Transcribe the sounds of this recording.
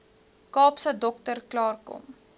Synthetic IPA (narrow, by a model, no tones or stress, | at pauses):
kɑːpsədɔktərklɑːrkɔ̰m